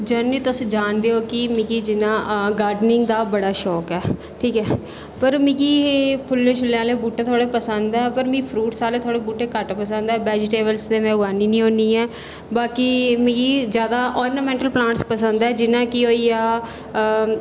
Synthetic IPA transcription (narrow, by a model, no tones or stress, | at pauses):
d͡ʒənːĩːt̪ʊsĩːd͡ʒaːnd̪eːoːkɪmiɡiːd͡ʒɪnãːɡaːɾɖnɪ̃ŋɡd̪aːbəɽaːʃɔːkɛː | ʈʰiːkɛː | pəɾmĩɡiːɦeːpʰʊlːeʃʊlːjãːleːbuːʈeːt̪ʰoaːɽeːpəsə̃nd̪ɛːpəɾmĩːpʰɾuːʈsaːleːt̪ʰaːɽeːbuːʈeːkəʈpəs̬ə̃nd̪ɛːbɛːd͡ʒʈeːbəlsd̪eːmɛ̃ːɡaːniːnĩːɦõːnd̪iːɛː | baːkiːmĩɡiːzjaːd̪aːʔɔːɾnəmɛ̃ːɳʈəlplãːɳʈspəsə̃nd̪ɛːd͡ʒɪnãːkɪoːiːaː